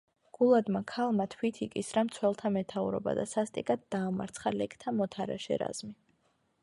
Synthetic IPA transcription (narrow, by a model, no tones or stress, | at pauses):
ɡ̥ulˠad̪makʰalˠmat̪ʰwit̪ʰikʼisɾamt̪sʰwɛlˠt̪ʰamɛt̪ʰauɾɔ̰ba̰d̪asast̪ʼikʼad̪̚d̪aːma̰ɾt̪sʰχalɛkʰt̪ʰamɔt̪ʰaɾa̰ʃɛ̰ɾa̰z̥mi